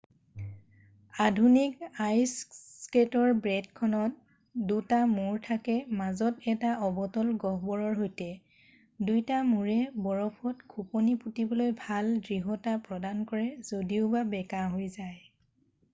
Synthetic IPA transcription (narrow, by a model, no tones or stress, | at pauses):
adʱunikajssketɔɹbɹɛdkʰɔnɔt̚ | dutamuɹtʰakɛmazɔtɛtaɔbɔtɔlɡɔɦbɔɹɔɹɦojtɛ | dujtamuɹɛbɔɹɔpʰɔtɡʰʱuponiputibɔlojbʱaldɹiɦɔtapɹɔdankɔɹɛzodiʊbabɛkaɦojzaj